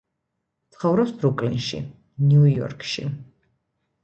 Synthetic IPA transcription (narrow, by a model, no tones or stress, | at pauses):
t̪sʰχɔvɾɔpsbɾukʼlinʃḭ | njujɔ̰ɾkʰʼʃḭ